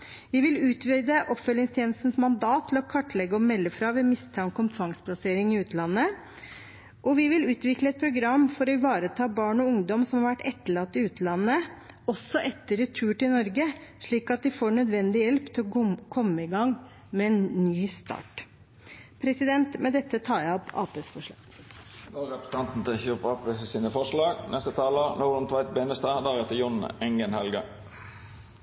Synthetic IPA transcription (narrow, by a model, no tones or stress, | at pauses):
ʋɪʋɪlʉːt̪ʰʋiːd̪əʔɔpːfœlːɪŋst̪ʰjeːn̩st̪n̩smɑnd̪ɑːt̪ʰːl̩ɔkʰɑʈːlɛɡːəɔmɛlːəfɾɑːʋɛmɪst̪ʰɑːŋkʰɔmt̪ʰɾɑŋspʰlɑseːɾɪŋɪʉːt̪əlɑnːə | ʔɔʋɪʋɪlʉːt̪ʋɪkləɛt̪̚pʰɾʊɡɾɑmːfɔɾɔʋɑːɾət̪ʰɑːbɑːɳɔʊŋd̪ɔmsɔmhɑɾʋæʈːɛt̪ːəɭɑt̪ːɪʉːt̪əlɑnːə | ɔsːɔʔɛt̪ːəɾət̪ʰʉːʈɪlnɔɾɡəʂɭiːkɑt̪̚d̪ɪfoːɳœd̪ʋɛnd̪ɪjɛlpt̪ʰɪlɔkʰɔmːəɪɡɑŋ | mɛɛnnyːst̪ɑ̰ːʈ | pʰɾɛsɪd̪ɛnt̪mɛd̪ɛt̪ːət̪ʰɑːjæɪɔpɑ̰ːpeːsfɔʂɭɑ̰ː | d̪oːɾɛpə̥st̪ɑnt̪n̩t̪ʰɪçøpɑpʋəssiːnəfɔʂɭɑːɡnʔɛst̪ət̪ʰɑːlənuːɾənt̪ʰʋɑɪt̪̚beːnəst̪ɑd̪æʁɛt̪əjʊnɛŋɡənhɛlɡə̰